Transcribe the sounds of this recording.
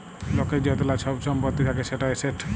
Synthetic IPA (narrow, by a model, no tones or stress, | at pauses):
lɔked͡ʑɔt̪olat͡ʃʰɔbʃʰɔmpɔt̪ːit̪ʰakeʃeʈaeseʈ